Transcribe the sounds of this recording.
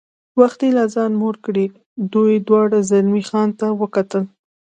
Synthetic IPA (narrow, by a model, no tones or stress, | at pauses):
waxt̪elazɑnmoɾkɽi | d̪ujd̪wɑɽazalmixɑnt̪awəkat̪əl